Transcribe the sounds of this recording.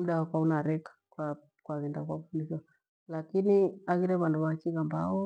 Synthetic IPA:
m̩ɗawakwaunaɾɛkḁkwa | kwaɣɛndakwakufundiʃiwa | lakiniaɣiɾɛβanduβat͡ʃiɣambaɔ

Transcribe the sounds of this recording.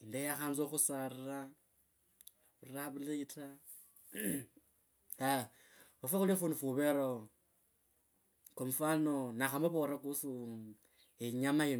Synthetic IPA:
indejaxanzoxusaɾɾa | uraβuliitʰa | a | ufaxulifunufuβeɾo | komfanonaxamoβoɾakusu | eɲamaji

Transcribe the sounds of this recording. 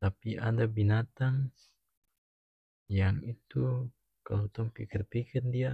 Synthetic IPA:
t̪apiʔadabinat̪aŋ | jaŋit̪u | ka̰lot̪ɔŋpikɪrpikɪrdia

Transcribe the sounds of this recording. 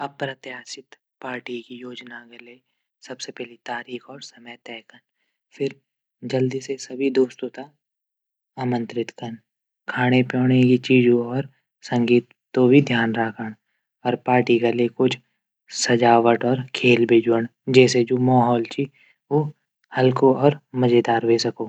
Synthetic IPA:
ɐpɾɐt̪jaːsɪt̪ | paːɾʈikijoːd͡ʒnakaleː | sɐbsepɛːɦlit̪aːɾiːxɔːɾsɐməjt̪ɛːkən | fʰɪɾ | d͡ʒəld̪isesɐbʱid̪oːst̪ot̪a | əmə̃nt̪ɾɪt̪kən | kʰaːɽ̃epjɔːɽ̃ekit͡ʃiːd͡ʒõɔːɾ | sɐ̃ŋɡiːt̪ːobʱid̪ʱjaːnɾaːkʰəɽ̃ | ɔːɾpaːɾʈiɡalekʊt͡ʃʰ | sɐd͡ʒaːʋəʈɔːɾkʰeːlbʱeːd͡ʒəɽd͡ʒɛːs̬ed͡ʒoːmaːɦɔːlt͡ʃʰi | oː | hɐlkoɔːɾməd͡ʒeːd̪aːɾʋeːsɐkoː

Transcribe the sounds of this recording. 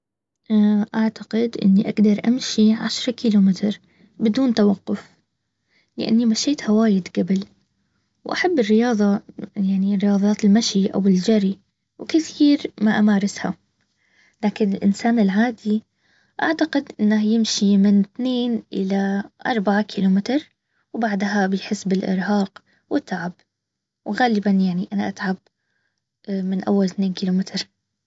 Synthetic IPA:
ʔaʔaʕt̪aqɪd̪ʔɪ̰nːiʔa̰ɡd̪ɑɾˤʔa̰mʃiʕa̰ʃɾˤɑkiːluːmɪt̪ɾ | bɪd̪uːnt̪awɑqːʊf | lɪ̰ʔa̰nːimaʃeːt̪hawaːjɪd̪ɡabɪl | wʔaħabːɪrːɪjɑːðˤɑjaʕnirːɪjɑːðˤɑːt̪ɪlmaʃiʔa̰wɪld͡ʒaɾi | wkɪθiːɾmaʔamaːɾˤɪsha̰ | laːkɪnɪlʔɪ̰nsaːnɪlʕaːd̪i | ʔa̰ʕt̪aqɪd̪ʔɪnːahjɪmʃimɪnθneːnʔɪ̰laʔɑ̰ɾˤbaʕakʰiːlumɪt̪ɾˤ | wbaʕd̪ɦabɪjħɪsːbɪlʔɪ̰ɾɦɑːq | wɪt̪ːaʕab | wɣaːlɪbanjaʕniʔanaʔat̪ʕab̚ | mɪnʔa̰wːalθneːnkiːlumɪt̪ɾ

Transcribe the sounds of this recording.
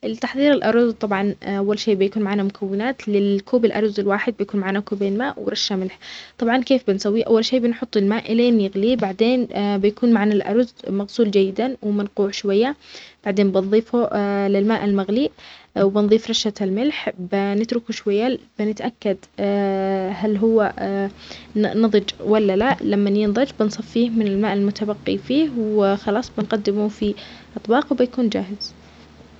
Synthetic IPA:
ʔɪlt̪aħðˤiːɾɪlʔɑɾˤzt̪ˤɑbʕɑnʔawːalʃeːʔbɪjakuːnmaʕaːnamʊkʰawːɪnaːt̪lɪlkʰuːbɪlʔɑɾˤzɪlwaːħɪd̪̚bɪjakuːnmaʕaːnakuːbeːnmaːʔwɾˤɑʃːamɪlħt̪ˤɑbʕɑnkeːfbɪnsawːiʔa̰wːalʃeːbɪnħʊt̪ˤːɪlmaːʔɪlenjɪɣliːbaʕd̪eːnbɪjakuːnmaʕanalʔɑ̰ɾˤzmaɣsuːld͡ʒajːɪd̪awɪmɪnquːʕʃwajːab̥aʕd̪eːnbɪnðˤiːfulɪlmaːʔalmaɣliːʔwbɪnðˤiːfɾˤɑʃalmɪlħbɪnɪt̪ɾʊkuʃwajːabɪnɪt̪ʔakːad̪ | halɦʊwːa | nɑðˤɨd͡ʒwalːalalamːanjɪnðˤɑd͡ʒbɪnsˤɑfːiːhmɪnɪlmaːʔɪlmʊt̪abaqːḭfiːhwɪxɑlɑːsˤbɪnqad̪ːɪmufiʔɑt̪ˤbɑːqwbɪjakuːnd͡ʒaːɦɪz̥

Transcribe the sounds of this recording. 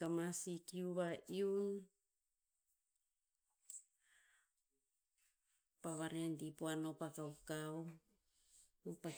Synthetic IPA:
kamasikiuβaiun | paβaɾeandipoano̞pakawkaw | opa

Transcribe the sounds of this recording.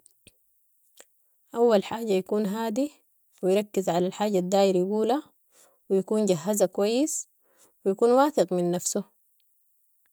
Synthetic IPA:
ʔawːalħaːɟajakuːnɦaːd̪i | wijɾˤɑkːizʕalalħaːɟad̪ːaːjiɾjaɡuːla | wijakuːnɟaɦːazakuwajːis | wijakuːnwaːθɪqminːafsu

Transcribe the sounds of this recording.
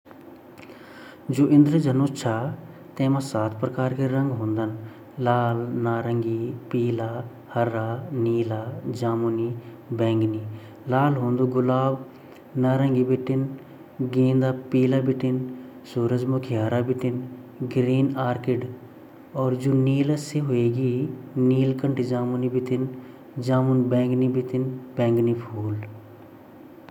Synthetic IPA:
d͡ʒoːʔɪ̃nd̪ɾəd͡ʒənoːt͡ʃʰaː | t̪ɛ̃ːmãːsaːt̪ʰpɾəkaːɾkeɾə̃ŋɡɦõːnd̪ən | laːlnaːɾəŋɡiːpiːlaː | həɾaːniːlaːd͡ʒaːmuniː | bɛ̃ːŋɡniː | laːlɦõːnd̪uːɡʊlaːb | naːɾə̃ŋɡiːbɪʈːɪn | ɡẽːnd̪aːpiːlabɪʈɪn | suːɾəd͡ʒmʊkʰeɦɐɾaːbɪʈɪnɡɾiːnaːɾkɪɖ | ɔːɾd͡ʒoːniːlaseɦoeːɡiːniːlkəɳʈid͡ʒaːmunibɪt̪ɪn | d͡ʒaːmunbɛ̃ːŋɡnibɪt̪ɪnbɛ̃ːŋɡnipʰuːl

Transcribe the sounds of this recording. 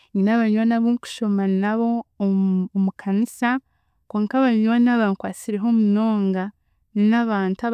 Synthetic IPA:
ɲinaβaɲwanaβoku̥ʃo̞manaβo̞ː | mukʰanisa | kwoːŋkaβaɲwanaβaŋkwaːt͡siɾe̞ɦo̞muno̞ːŋɡa | ninaβaːnta

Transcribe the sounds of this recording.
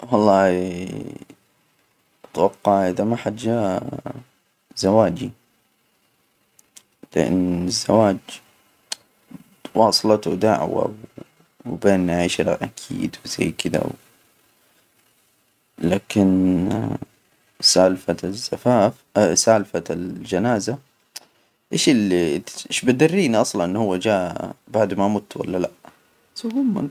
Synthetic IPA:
wɑlˤːɑːi | ʔat̪wɑqːɑʕʔɪðamaħad͡ʒːa | zawaːd͡ʒi | lɪʔɪ̰nːɪzːawaːd͡ʒ | wɑːsˤlɑt̪ud̪aʕwa̰w | beːnːaʕiʃɾʔakʰḭːd̪wz̥aːkɪd̪a̰w | laːkɪn | saːlfaz̥ːafaːfsaːlfald͡ʒanaːza | ʔeːʃɪliʔeːʃbad̪arːiːniʔɑsˤlɑnʔɪnːhʊwːad͡ʒaːbaʕd̪mamʊt̪wa̰lːalaʔ | sahʊmːa

